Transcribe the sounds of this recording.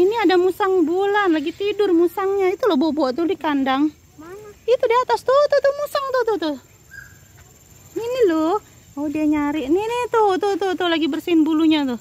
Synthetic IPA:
iniadamusaŋbulanlaɡit̪idʊrmusaŋɲait̪ulohbobɔʔt̪ʊdikandaŋ | maŋat̪̚it̪udiat̪ast̪ʊt̪ʊt̪ʊmusaŋt̪ut̪ʊt̪ʊ | ninilo | odiaɲaɾɪʔninit̪ʊt̪ut̪ʊt̪ʊlaɡibərsinbuluɲat̪ʊ

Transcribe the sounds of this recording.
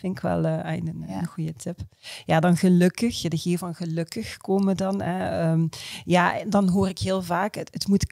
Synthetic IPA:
fɪnkʋɛ̰lˠəɛ̰jnənɣujətʰɪpjaːdɑnɣəlɵkəxjadəɣeːvɑnɣəlɵkəxkoːmədɑnɦɛəmjaːɛdɑnɦoːrɪkɦɪːlˠvaːkəətmut

